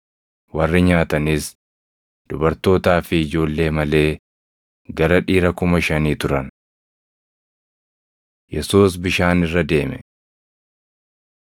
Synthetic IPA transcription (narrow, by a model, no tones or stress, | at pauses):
wɐrːɪɲaːt̪ɐnis | dd̪̥ʊbɐɾt̪o̞ːt̪aːfɪːd͡ʒo̞ːlːe̞ːmɐle̞ː | ɡɐɾɐᶑiːɾɐkʊmɐʃɐniːt̪ʊɾɐn | jɛsuːs̬bɪʃaːnɪrːɐd̪e̞ːmɛ̰